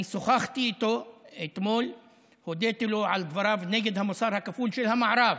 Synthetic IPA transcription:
soxaxt̪iʔt̪oet̪moːl | hod̪et̪loʕald̪vɑɾˤɑːvneːɡed̪hamosɑːɾˤhakafuːlʃelhamaʕɾˤɑv

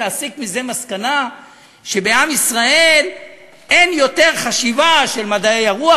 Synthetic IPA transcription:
eːsikmize̞maskana | ʃe̞be̞amisʁae̞l | e̞njo̞t̪e̞ʁχaʃivaʃe̞lmadaejaʁua

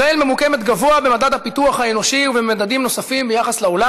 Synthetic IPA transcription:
elme̞muke̞met̪ɡavoabe̞madad̪hapit̪uaχhae̞no̞ʃiuvemad̪ad̪imno̞safimbejaχaslao̞la

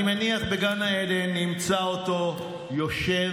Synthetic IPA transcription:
imaniaχbeɡanae̞lenimt͡saoto̞ | jo̞ʃe̞

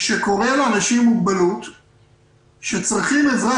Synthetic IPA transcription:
ʃeko̞ʁeleanaʃimːuɡ̚balut̪ | ʃet͡sʁiχimezʁa

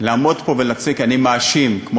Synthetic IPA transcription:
laːmo̞d̪po̞velat͡sikanimaːʃimkmo

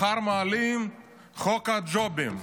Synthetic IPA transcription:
aɾmaːlim | χɔkad͡ʒɔbim

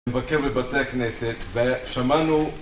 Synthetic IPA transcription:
mvakeʁbebat̪eakneset̪veʃamanu

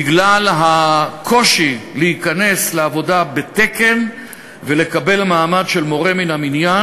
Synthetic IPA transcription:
iɡlalɦakʰo̞ʃileikane̞sleavo̞dabet̪e̞ke̞n | vele̞kabe̞lmaːmadʃe̞lmo̞ʁe̞minaminja

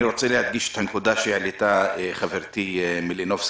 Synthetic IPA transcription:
iʁot͡selehad̪̚ɡiʃe̥t̪hankud̪aʃeeʕlit̪aχaveɾt̪imilinofs

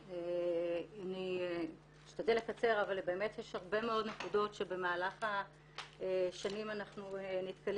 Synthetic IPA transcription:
e | ani | iʃtad̪elekat͡se̞ʁavalbe̞ːme̞t̪jeʃhaʁbe̞meo̞d̪nekudo̞tʃebe̞maːlaχa | ʃanimanaχnunit̪kal

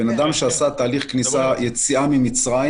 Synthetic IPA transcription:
enad̪amʃeasat̪aːliχknisajet͡siamimit͡sʁa

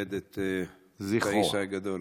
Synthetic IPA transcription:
ed̪et̪e | ziχaiʃaɡad̪ol

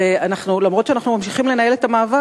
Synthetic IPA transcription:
eanaχnulamʁo̞tʃeanaχnumamʃiχimle̞naje̞letamaːva

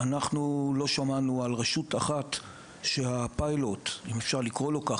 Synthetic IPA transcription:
anaχnulo̞ʃamanualʁeʃutaχat | ʃe̞apajlo̞timefʃaʁlikʁo̞lo̞kaχ

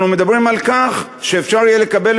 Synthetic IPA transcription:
nume̞d̪abʁimalkaχ | ʃeːfʃaʁjelekabe̞l

